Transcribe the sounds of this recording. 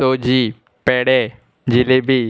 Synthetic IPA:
od͡ʑiː | pɛɽe | d͡ʑilebʱiː

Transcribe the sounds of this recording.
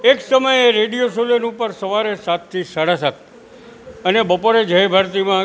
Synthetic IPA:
eksəməjeɾeɖijosolenupəɾsəʋaɾesat̪ʰːisəɽasat̪̚ʰ | ənebəpoɾed͡ʒʱəjbʱəɾt̪imã

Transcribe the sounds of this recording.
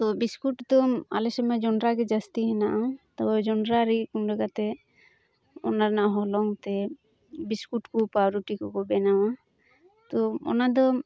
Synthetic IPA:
t̪ɔbiskuʈd̪ɔma̰lesɔmad͡ʒɔnɾaɡed͡ʒast̪iɦɛ̃naʔãt̪ɔd͡ʒɔnɾaɾikunɾɛɡat̪ɛ | ɔ̰naɾnaʔɦɔlɔŋt̪ɛ | biskuʈkupaɾuʈikɔkɔbɛnã | t̪oɔ̰nad̪ɔ

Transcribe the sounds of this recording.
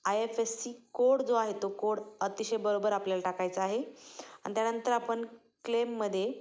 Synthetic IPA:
ajefesːiːkoɽd͡zoaɦet̪okoɽət̪iɕəjbəɾobəɾapljalaʈakajt͡səaɦea̰ɳ̃t̪janənt̪əɾapəɳ | klemːəd̪ʱːje

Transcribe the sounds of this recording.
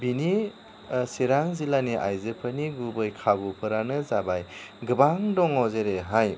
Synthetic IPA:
bini | siɾaŋzilaniʔa̰jzɯpʰaniɡubɯjkʰabupʰɯɾanɯzabajɡɯbaŋdɔŋɔzeɾeɦaj

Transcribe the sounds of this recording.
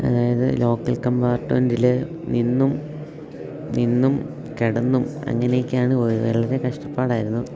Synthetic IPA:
ɐ̰ðaːjɐðɨlo̞ːkːɐlkɐmbaːrʈːundilɨ | ninːum | ninːum | ke̞ɽɐnːumɐ̰ŋːɐnejikʲːaːɳɨoʋeɭɐɾekɐʂʈɐpːaːɽaːjiɾunːuðɨ

